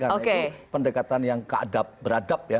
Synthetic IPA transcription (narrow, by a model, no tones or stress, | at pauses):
kaokepəndəkat̪anjaŋkəa̰dap̚bəɾadap̚ja